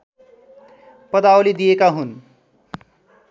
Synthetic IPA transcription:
pʌd̪awlid̪ijekaɦun

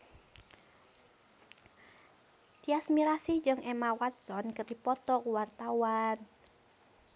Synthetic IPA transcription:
t̪iasmiɾasid͡ʒɨŋʔemawat̪̚sɔnkərdipɔt̪ɔkuwart̪awan

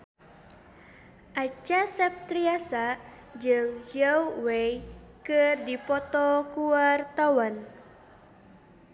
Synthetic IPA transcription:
ʔat͡ʃasɛp̚t̪ɾiasa | d͡ʒɨŋjəwwejkɨrdipɔt̪ɔkuart̪awan

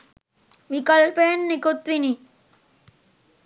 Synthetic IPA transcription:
ʋikɐlpejənːekut̪ʋini

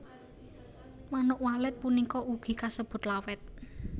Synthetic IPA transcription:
manʊʔwalɪt̪̚punikɔʔuɡ̥i̤kasəb̥ʊ̤t̪lawɛt̪̚

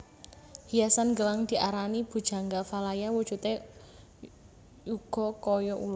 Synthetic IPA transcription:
hijasanɡəlaŋd̪̥i̤ʔaɾanib̥ṳd̥ʒ̥a̤ŋɡafalajawud̥ʒ̥ṳt̪e | juɡ̥ɔ̤kɔjɔʔulɔ

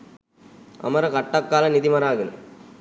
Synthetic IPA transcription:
ɐ̰mɐɾɐkɐʈːɐkːaːlɐnɪðɪmɐɾaːɣɪn

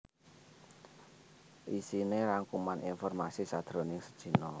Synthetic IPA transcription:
ʔisineɾaŋkumaninfɔrmasisad̪̥ɾo̤nɪŋsə̥d̥ʒ̥i̤nɔ

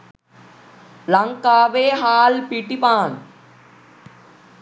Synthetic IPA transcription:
lɐŋkaːʋeːɦaːlpiʈipaːn

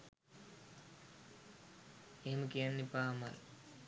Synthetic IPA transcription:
eɦeməkijanːepaːma̰l

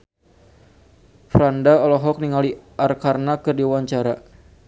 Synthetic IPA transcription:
fɾandaɔlɔɦɔk̚niŋaliʔarkarnakɨrdiwaɲt͡ʃaɾa

